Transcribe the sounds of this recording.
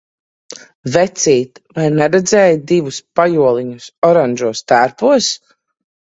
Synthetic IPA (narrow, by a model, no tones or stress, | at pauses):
vɛt̪siːt̪vajnɛɾɛd̪zɛːjd̪ivuspajuɔlˠiɲusɔɾanʲʒuɔst̪aɾpuɔs